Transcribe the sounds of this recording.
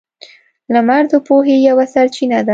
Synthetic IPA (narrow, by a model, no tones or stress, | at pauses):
lamaɾd̪opoɦejawasaɾt͡ʃinad̪a